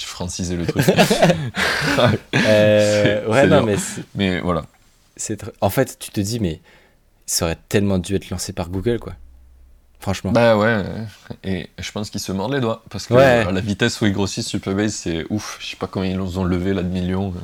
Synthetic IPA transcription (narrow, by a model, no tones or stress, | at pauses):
fχɑ̃sizelət̪χyk | øwɛnɔ̃mɛsmɛvwala̰ | sɛt̪χɑ̃fɛt̪ːy̥t̪əd̪imɛ | isɔʁɛt̪ɛlmɑ̃d̪yɛt̪lɑ̃sepaʁɡuɡʲœlkwa | fχɑ̃ʃmɑ̃bawɛ | eʒ̥əpɑ̃skilsəmɔʁd̪led̪wapaʁsə̥kwɛlavit̪ɛsuɛɡʁosisːypɛʁbajzsɛufʒəsɛ̥pakɔmɑ̃ilːɔzɔ̃ləvelad̪əmiljɔ̃